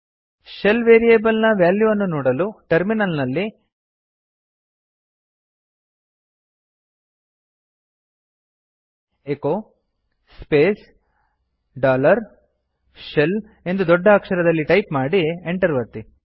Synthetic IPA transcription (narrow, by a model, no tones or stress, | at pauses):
ʃelʋeːɾiebɐlnɐʋjaːljuɐnːunoːɽɐluʈɐɾminɐlnɐlːi | eko | speːs | ɖaːlɐɾ | ʃel | e̞nd̪ud̪ɔɖːɐːkʂɐɾɐd̪ɐlːiʈɐjpmaːɽieɳʈɐɾʋɐɾt̪i